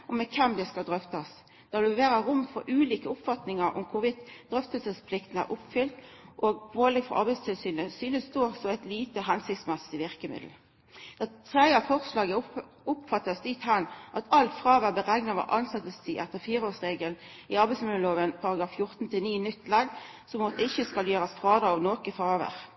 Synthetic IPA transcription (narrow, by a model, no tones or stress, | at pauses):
ʔɔmɛkʰɛmd̪ɛskɑd̪ʁœft̪ɑs | d̪̥ɑd̪ʉʋeːʁəʁʊmfɔʁʔʉːliːkəʊpfɑt̪nɪŋəɾʔʊ̰mkʰʊʋɪt̪d̪̥ʁœft̪əlsəspʰlɪkt̪ən̩æ̰ʁʔʊpfʏlt̪ʔoːɡ̚pʰoːlɛɡfɔʁʔɑ̰ʁbæɪst̪ʰɪlsyːnəsyːnəsd̪oːsɔæɪt̪liːt̪əɦænsɪkt̪smɛsɪʋɪʁkəmɪ̰d̪l̩ | d̪̥æt̪ʰʁæɑfɔʁslɑːɡə | ʊpfɑt̪ːəsd̪ɪt̪hɑnʔɑt̪ʰɑlt̪fʁɑːʋəbəʁæɡnɑʋɑ̰ʔɑnsɑt̪əst̪ʰiʔæt̪ːəʁfiːʁəoːʁsʁeːɡəln | ɪɑʁbæɪsmɪləloːʋənpʰɑʁɑɡɾɑːffjʊʁt̪nt̪ʰɪniːnʏt̪ːlɑɡ̪ | sɔmɔt̪ːəɪçːəskɑljøːʁəsfʁɑːd̪ɑɑʋnoːkəfʁɑːʋə̰ʁ